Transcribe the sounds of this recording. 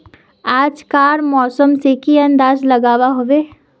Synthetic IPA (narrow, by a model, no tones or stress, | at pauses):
aːd͡ʒkaːɾmɔːsəmsekiɐ̃nd̪aːzlɐɡaːʋaɦoʋeː